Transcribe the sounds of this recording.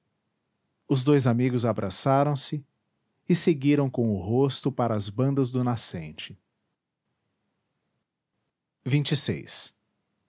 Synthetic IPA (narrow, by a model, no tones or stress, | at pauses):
ʊzd̪ojzamiɡʊzabɾʔasaɾɐ̃w̃sɪ | ɪseɡiɾɐ̃w̃kõʊɦost̪ʊpaɾɐːzbɐ̃nd̪ɐzd̪ʊnasẽnt͡ʃɪ | vĩnt͡ʃɪsḛjs